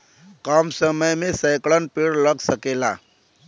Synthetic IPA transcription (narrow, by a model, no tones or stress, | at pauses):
kaːmsəməjmẽsəɪkɭənpeɽləɡsəkela̰